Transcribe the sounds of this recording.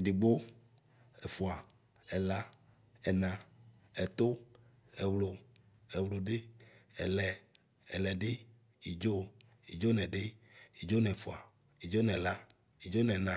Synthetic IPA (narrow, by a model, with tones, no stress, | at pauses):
di˨ɡ͡bo˦ | ɛ˨fu˨a˨ | ɛ˨la˦ | ɛ˨nã˨ | ɛ˨t̪o˦ | e˨wlo˨ | e˨wlo˨ɖe˦ɛ˨lɛ˨ | ɛ˨lɛ˨ɖe˦ | i˨d͡ʒo˦ | i˨d͡ʒo˦nɛ̃˨ɖe˦ | i˨d͡ʒo˦nɛ̃˨fu˨a˨ | i˨d͡ʒo˦nɛ̃˨la˦ | i˨d͡ʒo˦nɛ̃˨nã˨